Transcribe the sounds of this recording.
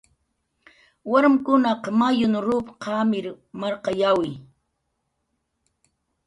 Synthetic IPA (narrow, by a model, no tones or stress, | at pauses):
waɾmɪkʊnɑqɑmajʊnʊɾʊpqɑmɪɾ | maɾqɑjawɪj